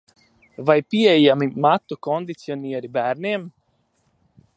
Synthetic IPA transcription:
vajpiejamimat̪ːukond̪it̪sionieɾibɛɾniem

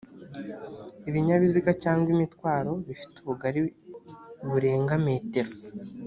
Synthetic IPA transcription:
iβiɲaβizikacaːŋɡwimitkwaːɾo̞βifi̥tuβuɡaɾi | βuɾe̞ːŋɡame̞ːte̞ɾo

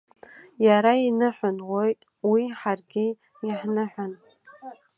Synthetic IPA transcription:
jaɾainɨħʷᶣanwojtʼ | wiħarɡʲi | jaħnɨħᶣʷan

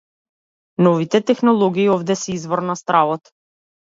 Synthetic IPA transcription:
nɔvit̪ɛt̪ɛxnɔlˠɔɡiːɔvd̪ɛsɛizvɔɾnast̪ɾavɔt̪

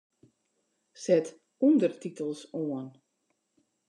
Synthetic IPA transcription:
sɛt | undərtitəlˠsoən

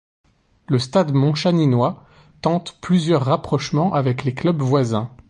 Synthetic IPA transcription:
ləst̪ad̪mɔ̃ʃaninwa | t̪ɑ̃t̪plyzjœʁːapχɔʃmɑ̃ʔavɛkleklœbvwazɛ̃

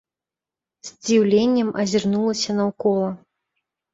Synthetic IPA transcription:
z̥ʲd͡zʲiwlʲenʲːɛmɐzʲirnulˠɐsʲɐnɐwkɔlˠɐ

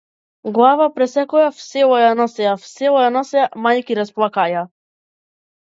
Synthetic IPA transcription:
ɡlˠavapɾɛsɛkɔjafsɛlˠɔjanɔsɛafsɛlˠɔjanɔsɛamajkiɾasplˠakaja

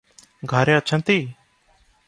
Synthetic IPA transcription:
ɡʱaɾẽːətːt͡ʃʰə̃nt̪iː

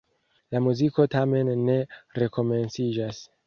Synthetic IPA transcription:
lamuziko̞tame̞nːe̞ɾe̞ko̞me̞nsid͡ʒas

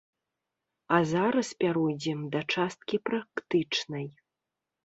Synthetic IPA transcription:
ɐzaɾɐspʲaɾujd͡zʲɛmd̪ɐt͡ʂast̪̚kʲipɾakt̪ɨt͡ʂnɐj

